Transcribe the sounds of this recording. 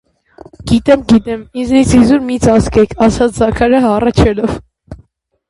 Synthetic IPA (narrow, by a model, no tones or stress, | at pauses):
ɡ̥it̪ɛmɡit̪ɛmiznit͡shizuɾmit͡sɑskɛkʰɑsɑt͡sʰzɑkʰɑɾəɑrɑt͡ʃʰɛlɔv